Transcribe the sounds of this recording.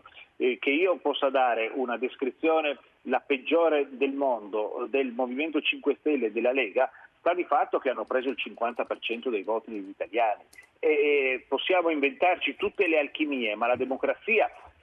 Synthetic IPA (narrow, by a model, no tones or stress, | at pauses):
keiːopɔsːad̪aːɾeʔunad̪eskɾit̪sːjoːne | laped͡ʒːoːɾed̪elmond̪od̪elmoviment̪ot͡ʃiŋkwest̪ɛlːed̪elːaleːɡast̪ad̪ifat̪ːokeanːopɾeːzoilt͡ʃiŋkwant̪apert͡ʃɛnt̪od̪ejvɔːt̪id̪eʎːit̪aljaːni | eposːjaːmoiɱvent̪art͡ʃit̪ut̪ːelealkimiːemalad̪emokɾat̪sːiːa